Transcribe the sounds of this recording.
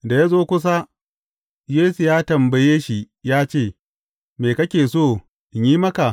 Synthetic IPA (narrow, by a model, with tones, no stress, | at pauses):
da˨ja˦zoː˦kʷʊ˦s̬a˦ | jeː˦su˨jaː˦tɐ˨mbɐ˨jeː˦ʃi˨ | jaː˦t͡ʃeː˦˨ | meː˨kɐ˦kʲeː˨soː˦˨ | ɲjiː˦mɐ˦ka˨ʔ